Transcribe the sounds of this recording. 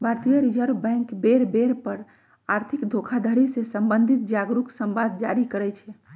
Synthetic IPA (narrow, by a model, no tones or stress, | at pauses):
bʱaɾt̪ijəɾid͡ʒəɾbɛ̃ŋkbeɾbeɾpəɾ | aɾt̪ʰikd̪ʱokʰad̪ʱəɾisẽsəmbənd̪ʱit̪̚d͡ʒaɡɾuksəmbad̪̚d͡ʒaɾikəɾɛt͡ʃʰɛ